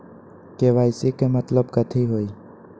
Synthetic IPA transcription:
keʋaːɪsikemət̪ləbkət̪ʰiɦoːi

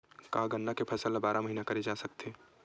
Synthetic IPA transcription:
kaɡənːakepʰɐsəlabaːɾaməɦiːnakɐɾed͡ʒaːsək̚t̪eː

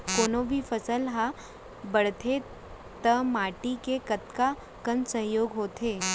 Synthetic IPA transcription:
koːnõbʱifʰəsəlɦa | bəɽt̪ʰe | t̪əmaːʈikekət̪ka | kənsəɦjoːɡɦoːt̪eː

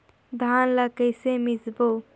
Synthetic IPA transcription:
d̪ʱaːnləkəjsemizbo

